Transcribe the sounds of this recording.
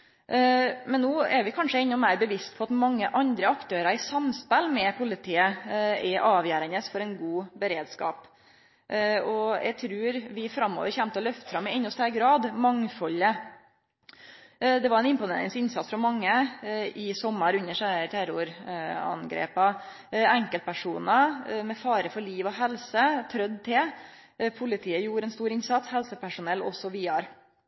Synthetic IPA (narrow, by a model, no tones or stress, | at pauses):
mɛnːoːɛɾʋɪkʰɑnʂəɛnːʊmæɪɾbəʋɪst̪̚pʰɔɑt̪mɑŋːəʔɑnd̪ɾəɑkt̪ʰøːɾəɾɪsɑmspɛlmɛpʰʊlɪt̪ʰiːəɛʔɑːʋjæːɾənəsfɔɾɛɪnɡuːbəɾeːd̪skɑ̰ːp | ɔɛ̰ɡ̚t̪ʰɾʉːɾʋɪfɾɑmːo̰ːʋəɾçɛmt̪əɔlœft̪ə̥fɾɑmːɪɛnːɔst̪ʰæɾɡɾɑːd̪mɑŋfɔlːə | d̪ɛʋɑɾɛnɪmpʊnḛːɾɪ̰ŋsɪnsɑt̪sfɾɔmɑŋːəɪsɔmːəɾʉɲːəʂæʈ̪ʰæɾʊɾɑ̰nɡɾḛːpɑ | ɛŋkəl̚pʰæʂuːnəmɛfɑːɾəfɔɭiːʋɔɦɛlsət̪ʰɾœd̪t̪ʰɪl | pʰʊlɪt̪ʰiːəjuːɾəɛnst̪uːɾɪnsɑt̪shɛlsəpæʂʊnɛlːɔ̰sːɔʋiːɑɾ